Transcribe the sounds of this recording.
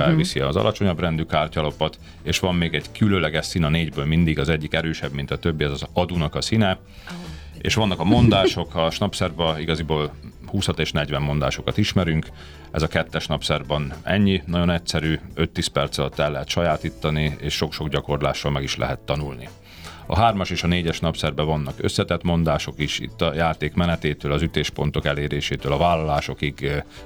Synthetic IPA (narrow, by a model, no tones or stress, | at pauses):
ɛlvisiɒzɒ̰lʔɒt͡ʃo̞ɲɒbrɛnd̪ykaːrcɒlo̞pɒt̪ | eːʃʋɒmːeːɡɛɟkylønlɛɡɛʃsinɒneːɟbøːlmind̪iɡɒzɛɟːikɛɾøːʃɛbmint̪ɒt̪ø̞bːiɛzɒzɒd̪uːnɒkɒsinɛ | ḛːʃʋɒnːɒkɒmo̞nd̪aːʃo̞kʰɒʃnɒpsɛrbɒiɡɒziboːlhuːshɒt̪eːʃnɛɟʋɛmːo̞nd̪a̰ːʃo̞kɒt̪iʃmɛɾyŋk | ɛ̰zɒkɛt̪ːɛʃnɒpsɛrbɒnɛ̰ɲːinɒɟo̞nɛcsɛɾyːøt̪ːiːspɛrt̪sɒlɒt̪ːɛlːɛɦɛt̪ʃɒjaːt̪iːt̪ːɒnieːʃʃo̞kʃo̞ɡɟɒko̞rlaːʃːɒlmɛɡiʃlɛ̰ɦɛt̪ːɒnulnḭ | ɒ̰ɦaːrmɒʃeːʃɒneːɟɛʃnɒpsɛrbɛvɒnːɒkø̞̰sːɛt̪ɛt̪mo̞n̪d̪aːʃo̞kiʃḭt̪ːɒjaːt̪eːkmɛnɛt̪eːt̪øːlɒzyt̪eːʃpo̞n̪t̪o̞kɛleːɾeːʃeːt̪øːlɒvaːlɒlaːʃo̞kiɡ